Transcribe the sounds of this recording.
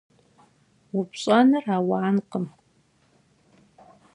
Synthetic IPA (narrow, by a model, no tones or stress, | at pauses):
wʊpɕʼɐnɨraːwaːnqəm